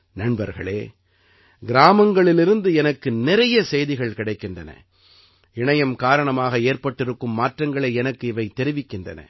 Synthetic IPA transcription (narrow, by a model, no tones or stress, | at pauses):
nɐɳbɐɾɣɐɭeː | ɡɪɾaːmɐŋɡɐɭɪlɪɾɯnd̪ɯɛnɐkːɯnɪɾɐjɐsɛjðɪɣɐɭkɪɽɐɪkːɪndrɐnɐ̰ | ɪɳɐjɐmkaːɾɐɳɐmaːɣɐeːɾpɐʈːɪɾɯkːɯmːaːʈrɐŋɡɐɭɐɪɛnɐkːɯɪʋɐɪt̪ːɛɾɪʋɪkːɪndrɐ̰nɐ̰